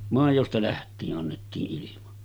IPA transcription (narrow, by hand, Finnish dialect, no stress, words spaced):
mɑˑijostɑ læhtˑiːʔ ʔɑnːetːiːʔ ʔilimɑ